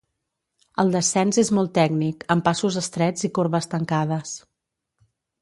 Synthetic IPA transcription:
ə̰lˠd̪əsɛnzezmɔlˠt̪ːɛɡnikəmpasuzəst̪ɾɛd͡zikoɾβəst̪əŋkaðəs

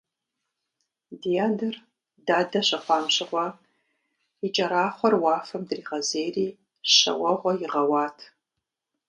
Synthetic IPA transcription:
dijaːdɨr | daːdɐɕɐχʷɑːmɕɪʁʷɔ | it͡ʃʼɐɾaːχʷɔrwɑːfɐmdriːʁɐzejriː | ɕɐ̰wɐʁʷɔjɪʁɐwɑːtʰ

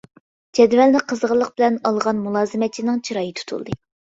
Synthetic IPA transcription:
d͡ʒɛd̪vɛlnɪqʰəzʁəlˠːəqbɪlɛnɑlˠʁɑnmulˠɑːzɨmɛt͡ʃʰinɨŋt͡ʃʰiɾɑːjit̪ʰu̥t̪ʰṵlˠd̪ɨ

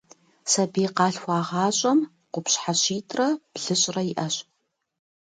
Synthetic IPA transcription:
sɐbiːqɑːɬxʷɑːʁɑːɕʼɐm | qʷʊpɕħaɕiːtʰrɐb̥ɮɨɕʼrɐɪʔɐɕʼ

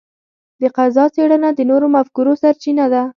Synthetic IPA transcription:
d̪əqazɑt͡seɽanad̪ənoɾomafkuɾosaɾt͡ʃinad̪a

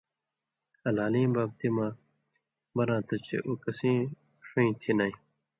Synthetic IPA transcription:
ɐlaːlĩːbaːb̚t̪imãː | bɐnãːt̪ɐt͡ɕḛʔokɐsĩː | ʂuĩːt̪ʰinaĩː

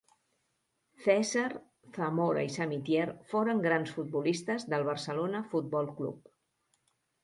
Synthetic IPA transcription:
θɛzəɾ | θəmoɾə̰isəmit̪jɛrfoɾəŋɡɾansfut̪̚bulist̪əzðəlˠβ̞ərsəlonəfut̪̚bɔlˠklṵp

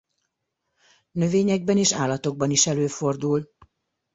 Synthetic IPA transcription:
nø̞veːɲɛɡ̚bɛneːʃaːlɒt̪o̞ɡ̚bɒniʃɛløːfo̞rd̪ul

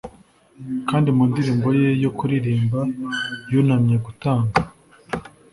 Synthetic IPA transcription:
kaːndimuːndiɾiːmbo̞je̞jokuɾiɾiːmbajunamɲeɡutaːŋɡa

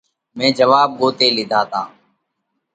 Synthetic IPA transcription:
mẽːd͡ʒəʋaːb̚ɡoːt̪eːlɪd̪ʱaːt̪aː

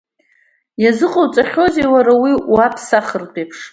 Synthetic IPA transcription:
jazɨqʼowt͡sʼaχʲo̞zewaɾawiapʰsaχərtʼepʰʂ

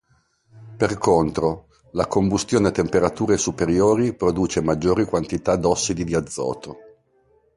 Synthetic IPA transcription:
perkont̪ɾo | lakombust̪joːnet̪empeɾat̪uːɾesupeɾjoːɾipɾod̪uːt͡ʃemad͡ʒːoːɾikwant̪it̪ad̪ɔsːid̪id̪iad̪zːɔ̰ːt̪o

